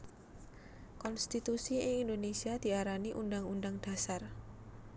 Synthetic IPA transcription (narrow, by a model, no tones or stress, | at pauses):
kɔnst̪it̪usiɪŋind̪onesiad̪̥i̤aɾaniʔundaŋundaŋd̪̥a̤sar